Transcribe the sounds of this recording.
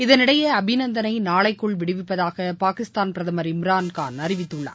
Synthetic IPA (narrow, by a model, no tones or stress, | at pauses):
ɪðɐnɪɽɐjɐːbʱɪnɐnd̪ɐnɐɪnaːɭɐɪkːɯɭʋɪɽɯʋɪpːɐðaːɣɐpaːkɪst̪aːnpɪɾɐðɐmɐɾɪmɾaːnkaːnɐrɪʋɪt̪ːɯɭːɐ̰ː